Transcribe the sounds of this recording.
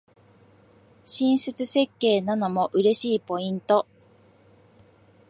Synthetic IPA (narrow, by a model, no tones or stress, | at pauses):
ɕĩɰ̃set͡sɨse̞kːe̞ːnano̞mo̞ʔɯ̟ɾe̞ɕiːpo̞ĩnt̪o̞